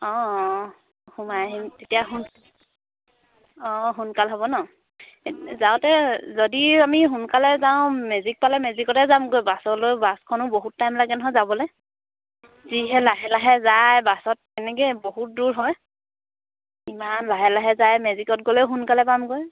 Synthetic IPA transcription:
ɔ̃ | humajaɦimtetijaɦun | ɔɦunkalɦɔbɔnɔ | zaʊtɛzodiamiɦunkalɛzaʊ̃mɛzik̚palɛmɛzikɔtɛzamɡojbasɔlojbaskʰɔnʊboɦutːajmlaɡɛnɔɦɔjzabɔlo | ziɦɛlaɦɛlaɦɛzajbasɔt̚ɛnɛkeboɦut̚duɹɦɔj | imanlaɦɛlaɦɛzajmɛzikɔt̚ɡolɛɦunkalɛpamɡoj

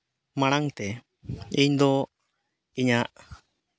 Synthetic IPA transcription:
maɽ̃aŋt̪ɛ | iɲd̪ɔ | iɲaʔ

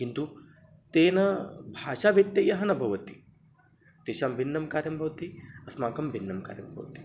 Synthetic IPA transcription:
kint̪u | t̪eːnɐbʱaːʂaːʋet̪jɐjɐɦɐnɐbʱɐʋɐt̪i | t̪eːʃaːmbʱinːɐmkaːɾjɐmbʱɐʋt̪iɐsmaːkɐmbʱinːɐmka̰ːɾjɐ̰mbʱɐ̰ʋɐt̪i̥

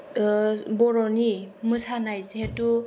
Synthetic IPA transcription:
bɔɹɔnimɯsanajzetu

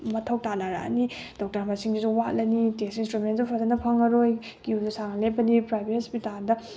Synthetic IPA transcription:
mɐtʰɐwtanaɾa̰a̰nid̥ɔk̚tɐɾmasiŋdizuwalɐnitesinstɾumensupʰazɐnɐpʰaŋɐɾoj | kiuzusaŋlepːɐnipɾajbʱet̚spitaɾdɐ

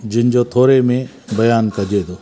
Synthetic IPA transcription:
d͡ʒɪnɪd͡ʒot̪ʰoːɾemẽ | bɐjaːnkɐd͡ʒed̪oː

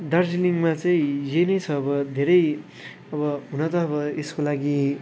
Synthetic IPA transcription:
d̪ard͡ziliŋmat͡sʌĩjenʌjt͡sʰʌːbʌd̪ʱeɾʌj | ʌbʌɦunʌt̪ʌʌbʌeskolaɡi

